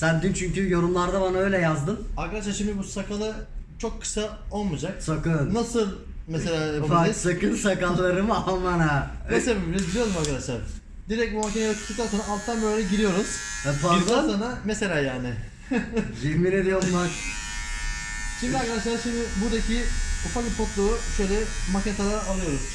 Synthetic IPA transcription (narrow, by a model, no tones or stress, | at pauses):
sænd̪int͡ʃʰyɲcyjo̞ɾumlˠaɾd̪abanaø̞jlʲɛjazd̪ɯnaɾkad̪aʃlaɾʃimd̪ibusakʰalˠat͡ʃʰo̞kʰːɯ̥sa | o̞lˠmud͡ʒak̚sakɯnnasɯlˠ | mese̞lʲaːbuaisakɯnsakallˠːaɾɯmamanamesebbiɛbilʲijoɾumaɾkad̪aʃlˠaɾ | d̪iɾɛc̚bumac̬ʰʲenk̪ʰːukt̪aːsonaːlˠt̪ʰːanbøːlʲelʲɛɟiɾijo̞ɾuz̥payzd̪aːsonamese̞lʲaːjaːnɪ | d͡ʒemined̪ijoɾlˠaɾ | ʃimd̪iaɾkad̪aʃlˠaɾʃimd̪ɪbuɾd̪acʰiufaklˠɯpʰo̞t̪lˠuːʃø̞jlʲɛmacet̪ʰalˠaɾaalˠɯjo̞ɾuz̥